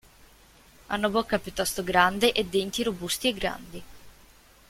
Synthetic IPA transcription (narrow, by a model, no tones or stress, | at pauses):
a̰nːobɔkːapjut̪ːɔst̪oɡɾand̪eʔed̪ːent̪iɾobust̪ieɡːɾa̰nd̪i